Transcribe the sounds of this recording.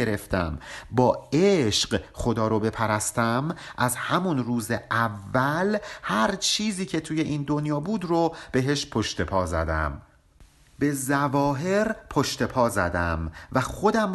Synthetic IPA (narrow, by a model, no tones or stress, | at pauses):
eɾe̞ft̪ʰæ̰mbɒːeʃɢχo̞d̪ɒːɾobe̞pʰæɾæst̪æmʔæzhæmunruːzeʔævːælhæɾt͡ʃʰiːziːcʰe̞t̪ʰuːje̞ʔiːnd̪o̞njɒːbuːd̪rob̥e̞ɦe̞ʃpʰo̞ʃt̪e̞pʰɒːzæ̰d̪æ̰m | b̥e̞zævɒːɦe̞ɾpʰoʃt̪e̞pʰɒːzæ̰d̪æmvæxo̞d̪æm